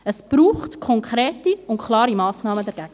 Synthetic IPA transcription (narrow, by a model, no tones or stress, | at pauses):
əsb̥ɾuːχtkʰɔŋkʰɾɛːtiʊntkʰlˠɑːɾimɑːsnɑːmədɛɾɡæɡ̥ə